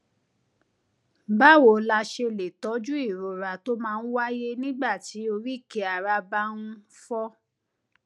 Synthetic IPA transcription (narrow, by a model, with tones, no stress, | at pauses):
ba˦˨wo˨la˧˦ʃe˧le˨tɔ˨˦d͡ʒu˦i˦˨ɾo˨ɾa˨to˦mãː˧n̩˦wa˦je˦nĩ˦ɡ͡ba˦˨ti˨˦o˧ɾi˦˨ke˨˦a˨ɾa˧ba˧˦ñũ˦fɔ˦